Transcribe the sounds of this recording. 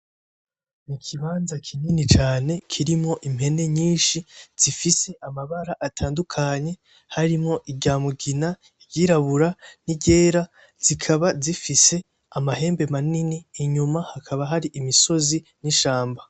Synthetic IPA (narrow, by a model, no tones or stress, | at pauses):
nikʰiβaːnzakʰininit͡ʃaːne̞kʰiɾimŋo̞ʔim̥he̞ne̞ɲiːnʃiz̥ifise̞ʔamaβaɾaʔatʰaːndukʰaɲe̞ | haɾimŋo̞ʔiɟaːmuɡina | iɟiɾaβuɾaniɟe̞ːɾa | z̥ikʰaβazifise̞ | amahe̞ːmbe̞maniniːɲumahakʰaβaɦaɾiʔimiso̞ziniʃaːmba